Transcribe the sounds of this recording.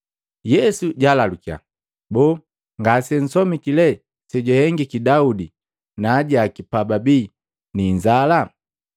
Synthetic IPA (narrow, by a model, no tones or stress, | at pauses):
jɛsuɟalalukia̰ | bɔː | ŋɡasɛn̩sɔmikilɛ | sɛɟahɛŋɡikidaudi | naːɟaːkipababiː | niɲd͡ʒala